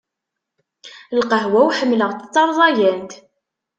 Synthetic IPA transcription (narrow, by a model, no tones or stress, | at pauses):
lqəɦwæwħəmːləʁt͡s̪ə̥t͡s̪ˤːɑɾˤðˤɑjænt̪